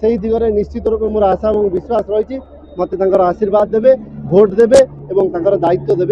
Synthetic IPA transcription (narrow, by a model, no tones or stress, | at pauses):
seɦjd̪ʱiɡɔɾenist͡ʃit̪ɔɾupemoɾasaebɔŋbiswasɾɔjt͡ʃʰi | mɔt̪et̪ãŋkɔɾɔasiɾbad̪ːebebʱoʈd̪ebeebɔŋt̪ãkɔɾɔd̪ait̪ːɔd̪ebe